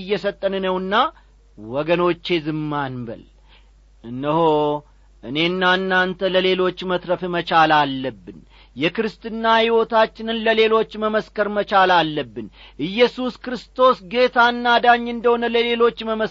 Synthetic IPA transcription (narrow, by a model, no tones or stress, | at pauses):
ɨjːɛsət̪ʼːənɨnəwɨnːa | wɔɡəno̞t͡ʃːe̞zɨmːanbə̰l | ɨnːəho | ʔɨne̞ɨnːanːant̪ʰələle̞lo̞t͡ʃːmət̪ɾəfmət͡ʃalalːəbːɨn | jɛkɨɾɨst̪ʰɨnːahiwo̞t̪ʰat͡ʃːɪnɨnləle̞lo̞t͡ʃːməməskəɾmət͡ʃalalːəbːɨnʔɨjːɛsuskɾɨst̪ʰo̞sɡe̞t̪ʰanːad̪aɲːɨnd̪əho̞nələle̞lo̞t͡ʃːməmə